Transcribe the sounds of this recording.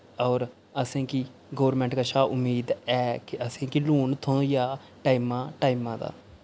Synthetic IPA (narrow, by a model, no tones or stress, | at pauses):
ɔːɾ | əsẽːki | ɡoːɾmɛ̃ːɳʈkəʃaːʔʊmːiːd̪ɛːkɪʔəsẽːkiluːɳt̪ʰõːjaː | ʈaːimãːʈaːimãːd̪a̰ː